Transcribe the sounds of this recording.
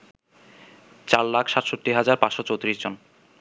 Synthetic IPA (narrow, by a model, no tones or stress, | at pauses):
t͡ɕaɾlakʰʃat̪ʃot̪ːiɦad͡ʑaɾpãsʃot͡ɕowt̪ɾiʃd͡ʑon